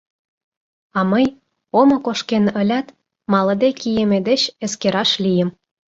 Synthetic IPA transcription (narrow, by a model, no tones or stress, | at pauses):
ɑməj | omɤ̆koʃkenə̆lʲæt̪ | mɑlɤ̆d̪ekijemed̪et͡ɕəskeɾɑʃlʲijə̆m